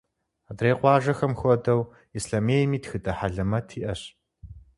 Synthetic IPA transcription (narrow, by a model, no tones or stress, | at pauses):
adreːqʷɑːʒɐxɐmxʷɔdɐw | isɬɐmeːjmiːtxɨdʰʼɐħaɮɐmɐtʰiːʔɐɕ